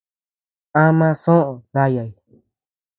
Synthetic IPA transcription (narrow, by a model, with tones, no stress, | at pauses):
ã˦mã˧sõ˦ʔõ˨ða˦ja˨j